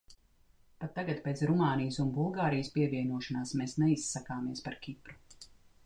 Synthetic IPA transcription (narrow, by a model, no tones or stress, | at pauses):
pat̪ːaɡat̪̚peːt̪sɾumaːnijsunbulˠɡaːɾijəspiɛviɛnuɔʃanaːsmeːsnɛisːakaːmiɛspaɾkʲipɾu̥